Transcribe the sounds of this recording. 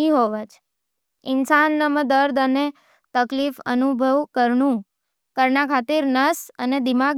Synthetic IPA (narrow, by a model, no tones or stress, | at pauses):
iɦoʋət͡ʃ | ɪnsanːəməd̪əɾd̪əne | t̪əklifə̰nubʱəʋkəɾɳũ | kəɾɳakʰat̪iɾnəsəned̪imaɡ